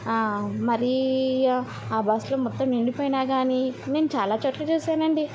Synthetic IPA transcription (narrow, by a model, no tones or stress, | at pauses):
mɐɾi | aːbɐsloːmɔt̪ːɐmiɳɖipoːjinaːɡaːnine̞ːnut͡ʃaːlaːt͡ʃɐʈːlɐt͡ʃuːsaːnɐɳɖi